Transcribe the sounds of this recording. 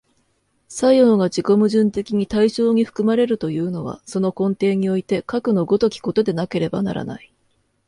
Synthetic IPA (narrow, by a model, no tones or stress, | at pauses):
saio̞ːɡat͡ɕiko̞mɯ̟ʑɨ̃nt̪e̞kʲiɲ̟it̪aiɕo̞ːɲ̟iɸɯ̟̥kɯ̟maɾe̞ɾɯ̟t̪o̞jɯ̟ːno̞β̞a̰so̞no̞kõ̞nt̪e̞ːɲ̟io̞it̪e̞kakɯ̟no̞ɡo̞t̪o̞kʲi̥ko̞t̪o̞d̪e̞nake̞ɾe̞bana̰ɾa̰na̰i